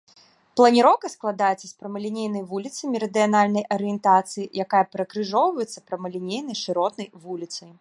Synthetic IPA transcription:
plˠɐnʲiɾɔwkɐsklˠad̪ajɛt̪sːɐspɾɐmɐlʲinʲejn̪ɐjvulʲit̪sɐmʲiɾɐd̪ɨjanalʲnɐjʔɐɾɨjɛnt̪at̪sɨjijakajɐpɾɐkɾɨʐɔwvɐjɛt̪sːɐpɾɐmɐlʲinʲejnɐjʂɨɾɔt̪nɐjvulʲit̪sɐj

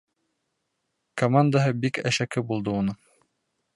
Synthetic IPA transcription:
komand̪aɦɤbikæʃækɘbulˠd̪ɤunɤŋ

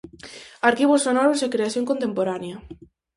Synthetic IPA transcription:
aɾkiβosːonɔɾosekɾeaθjoŋkont̪empoɾanjɐ

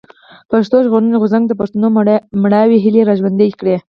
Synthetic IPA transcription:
paʃt̪oʒɣonəneɣʊzaŋɡd̪əpaʂt̪anomɽaweɦɪleɾaʒwand̪eɡkɽe

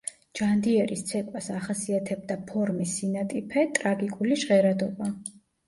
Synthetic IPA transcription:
d͡ʒand̪iɛɾist̪sʰɛkʼwasaχasiat̪ʰɛb̚d̪apʰɔɾmisːinat̪ʼipʰɛt̪ʼɾaɡikʼuliʃʁɛɾad̪ɔba

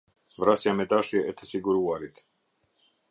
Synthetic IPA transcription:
vɾasjamɛd̪aʃiaʔɛt̪ʰɛsiɡuɾuaɾit̪

